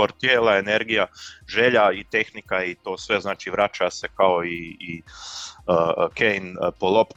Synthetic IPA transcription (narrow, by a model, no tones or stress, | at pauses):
oɾt̪jeːlaene̞ɾɡijaʒe̞ʎait̪e̞xnikait̪o̞ːsʋe̞znaːt͡ʃiʋɾat͡ʃase̞kaoiː | kʰejnpolˠo̞p